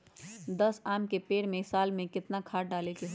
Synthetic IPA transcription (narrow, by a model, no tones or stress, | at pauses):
d̪ɐsaːmkepeːɽmẽsaːlmẽkɪt̪nakʰaːʈ̚ɖaːlekeɦ